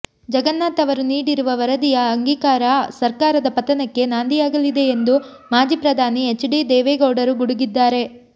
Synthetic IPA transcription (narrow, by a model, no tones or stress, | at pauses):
d͡ʒɐɡɐnːaːt̪ɐʋɐɾuniːɽiɾuʋɐʋɐɾɐd̪ijɐːŋɡiːkaːɾɐsɐɾkaːɾɐd̪ɐpɐt̪ɐnɐkːe̞naːnd̪ijaːɡɐlid̪e̞ːnd̪u | maːd͡ʒiːpɾɐd̪ʱaːniet͡ʃːɖid̪ɛːʋeɡɐwɖɐɾuɡuɽuɡid̪ːaːɾe̞